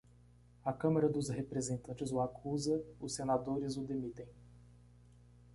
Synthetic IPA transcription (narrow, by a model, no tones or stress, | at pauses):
ɐkɐ̃mɐɾɐd̪ʊsɦepɾezẽnt̪ɐ̃nt͡ʃɪzʊakʰuzɐʊsːenad̪oɾɪzʊd̪emit̪ẽj̃